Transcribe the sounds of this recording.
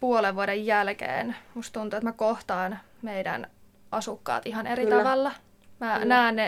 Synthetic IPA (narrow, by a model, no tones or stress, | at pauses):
puoleʋʋuodejːælkḛːnmust̪t̪unt̪uet̪mækoht̪ɑːn | meidæ̰n | ʔɑsukːɑ̰ːt̪ihɑneɾit̪ɑʋɑlːɑ | mænæːnne